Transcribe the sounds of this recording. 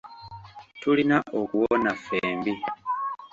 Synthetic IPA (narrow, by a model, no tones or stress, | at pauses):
tulinaʔokuwonafeːmbi